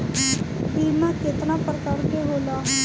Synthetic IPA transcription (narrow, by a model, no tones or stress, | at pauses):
piːmãːkɪt̪nãːpəɾkaːɾkeːɦoːlaː